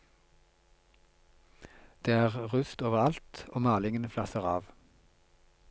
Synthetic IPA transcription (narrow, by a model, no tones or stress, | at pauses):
d̪̥eːæːʁʁʉst̪oːʋəʁɑlt̪oːmɑːlɪŋənəflɑsəʁɑːʋ